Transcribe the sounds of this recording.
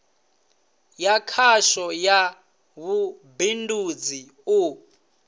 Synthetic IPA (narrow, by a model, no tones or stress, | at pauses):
jakʰaʃɔja | βubindud͡zi | u